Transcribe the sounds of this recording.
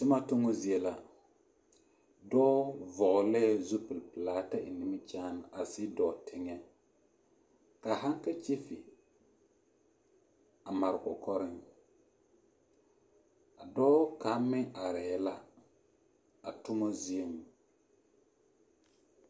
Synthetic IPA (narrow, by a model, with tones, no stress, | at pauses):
tʊ˦ma˦tʊ˦ŋo˦zi˦e˦la˨ | dɔ˦vɔ˨ʔʊ˨lɛ˦zu˦pɨ˨lpɨ˨laː˨˦ta˦ʔɪ˨nɪ˨mɪ˦t͡ʃaː˦n˨ʔa˨sɪ˦dɔː˨tʰɪ˦ŋɛ˦ | ka˨ɦa˦ŋka˦t͡ʃi˦fi˨ | a˨ma˨ɾɪ˨kɔ˨kɔ˦ɾɪ˦ŋ | a˨dɔː˦ka˨˦mɪ˦a˨ɾɛ˨ɛ˦la˦ | a˨tʊ˦ŋo˦zi˦e˦mu˨